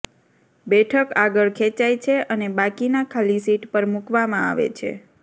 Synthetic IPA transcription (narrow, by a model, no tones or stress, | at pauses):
bɛʈʰəkaɡəɭkʰet͡ʃajt͡ʃʰeʔənebakinakʰalisiʈpəɾmukʋamãa̰ʋḛt͡ʃʰḛ